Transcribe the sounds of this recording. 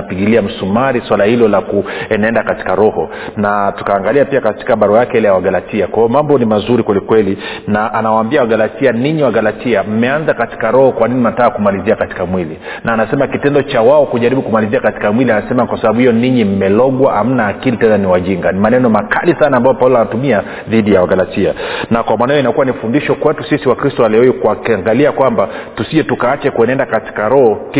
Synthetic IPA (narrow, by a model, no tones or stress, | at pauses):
piɠiliam̩sumaɾiswalahilɔlakuɛnaɛndakati̥kaɾɔhɔ | natu̥kaːŋɡaliapiakati̥kaɓaɾajakɛɛlɛjawaɡalatiakwaiɔmambɔnimazuɾikwɛlikwɛlinaʔanawaːmbiawaɡalatianiɲiwaɡalatiam̩mɛanzakati̥kaɾɔhɔkwaninim̩nataakumaliziakati̥kamwili | nʔaːnasɛmakitɛndɔt͡ʃawaɔkuʄaɾiɓukumaliziakati̥kamwilianasɛmakwasaɓaɓuhijɔniɲim̩mɛlɔɡwaham̩naːkilitɛnaniwaʄiŋɡanimanɛnɔmakʰalisanaːmbajɔpaulanatumia | ðiɗijawaɡalatia̰nakwamwanajɔinakuwanifundiʃɔkwɛtusisiwakɾistɔalɛɔikuakiaŋɡaliakwambatusiʄɛtukaat͡ʃɛkuɛnɛndakati̥kaɾɔhɔk